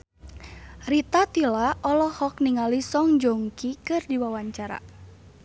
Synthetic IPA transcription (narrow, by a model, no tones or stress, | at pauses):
rit̪at̪ilaʔɔlɔhɔk̚niŋalisɔŋd͡ʒoŋkikɨrdiwawaɲt͡ʃaɾa̰